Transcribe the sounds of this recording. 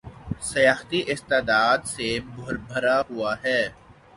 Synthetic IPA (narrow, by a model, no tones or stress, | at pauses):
sɐjaːxt̪iʔɪst̪eːd̪aːd̪sebʱʊɾbʱɐɾaɦʊaɦɛː